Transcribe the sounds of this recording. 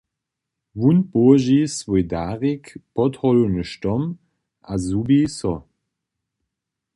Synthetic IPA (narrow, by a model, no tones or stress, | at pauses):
vunpoɐʒisvɔjdaːʁikpʰɔthɔlunəʃtɔm | ʔazubisɔ